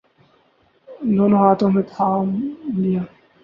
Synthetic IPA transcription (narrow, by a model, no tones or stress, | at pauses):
d̪oːnõːɦaːt̪õːmẽt̪ʰaːmlijaː